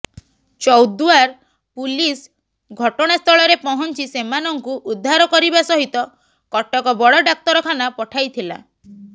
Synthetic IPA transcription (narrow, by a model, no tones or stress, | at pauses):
t͡ʃɔwd̪uaɾ | pulis | ɡʱɔʈɔɽ̃ast̪ʰɔɭɔɾepɔɦɔnt͡ʃisemanɔŋkuʔud̪ʱːaɾɔkɔɾibasɔɦit̪ɔ | kɔʈɔkɔbɔɽɔɖak̚t̪ɔɾɔkʰanapɔʈʰajt̪ʰila̰